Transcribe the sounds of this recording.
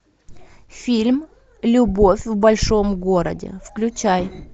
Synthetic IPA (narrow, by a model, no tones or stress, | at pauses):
fʲilʲm | lʲʊbofʲvbɐlʲʂo̞mɡoɾə̰dʲɪ̰fklʲʉt͡ɕaj